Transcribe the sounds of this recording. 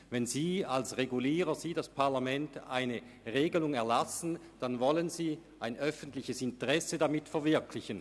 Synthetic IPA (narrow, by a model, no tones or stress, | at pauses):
vɛnziːalsʁeɡuliːʁəz̥iːdaspʰaɐlamɛnta̰ɪnə | ʁeːɡəlʊŋɛɐlasn̩ | d̥anvɔlənziːʔaɪnœfəntlɪçəsɪntəʁɛsədamɪtfɛɐvɪɐkʰlɪçən